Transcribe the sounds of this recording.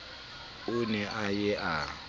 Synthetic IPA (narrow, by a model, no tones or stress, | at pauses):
ʊnɛʔajɛʔa